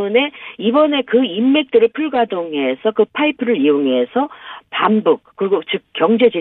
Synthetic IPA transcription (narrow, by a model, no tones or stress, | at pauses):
une̞ibʌne̞kɯimːe̞k̚t͈ɯɾɯɭpʰuɭɡadoŋɦe̞sʰʌkɯpʰaipʰɯɾɯɾioŋe̞sʰʌpambuk̚k͈ɯɾiɡot͡ɕɯk̚k͈ːjʌŋd͡ʑe̞d͡ʑe